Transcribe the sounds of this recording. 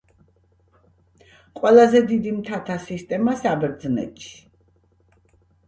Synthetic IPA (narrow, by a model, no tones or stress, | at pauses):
qʼwɛlˠazɛd̪id̪imt̪ʰat̪ʰasist̪ʼɛmasabɛɾd̪znɛ̰t̪ʼʃi̥